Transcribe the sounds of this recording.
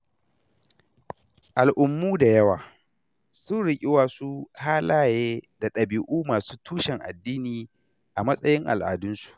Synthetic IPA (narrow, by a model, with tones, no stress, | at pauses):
ʔa˨lʔʊ˨mːuː˦da˨jɐ˦waː˨ | sʊ˦nɽɪ˦kʲʼɪ˦waː˨su˦haː˦laː˦jeː˦da˨ɗɐ˨biː˨ʔuː˦maː˨su̥ː˦tʰuː˦ʃɛ˨ŋʔa̰˨dːiː˦niː˨ | ʔa˨mɐ˦sʼɐ˦jɪ˦ŋʔa̰˨lʔa̰ː˨dʊ˦nsu̥˨ʔ